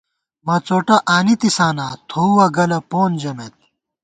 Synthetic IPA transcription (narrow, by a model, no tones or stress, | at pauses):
mɐt͡soːʈɐʔaːnit̪isaːnaːt̪ʰouwɐɡɐlɐpoːnd͡ʑɐmet̪̚